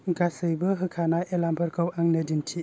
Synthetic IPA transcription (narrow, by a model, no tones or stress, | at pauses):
ɡasɯjbɯɦɯkʰanajʔelampʰɯɾkʰɯwaŋnɯdintʰi